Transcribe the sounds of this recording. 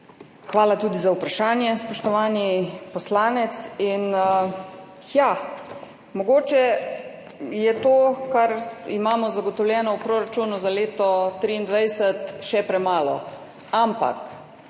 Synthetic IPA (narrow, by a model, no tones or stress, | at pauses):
xʋaːlat̪uːd̪izawpɾaʃaːnjɛspɔʃt̪ɔʋaːnipɔslaːnɛt̪sin | ja | mɔɡoːt͡ʃɛ | jɛt̪oːkaɾimaːmɔzaɡɔt̪ɔwlʲjɛːnɔwpɾoːɾat͡ʃuːnuzaleːt̪ɔt̪ɾiːnd̪ʋajsət̪ʃɛpɾɛmaːlɔ̰ | ampa̰k